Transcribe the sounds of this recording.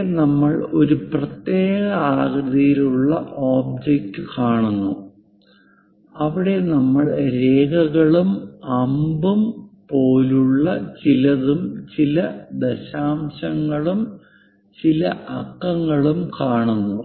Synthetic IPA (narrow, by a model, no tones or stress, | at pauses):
nɐmːɐɭo̞ɾuprɐt̪je̞ːɣɐaːɣrɨðijiluɭːɐʔoːbd͡ʑek̚tːɨkaːɳunːu | ɐʋiɽe̞nɐmːɐɭɾe̞ːɡɐɣɐɭumɐmbumpo̞ːluɭːɐt͡ɕilɐðumt͡ɕilɐd̪eɕaːmɕɐŋːɐɭum | t͡ɕilɐʔɐkːɐŋːɐɭumkaːɳunːu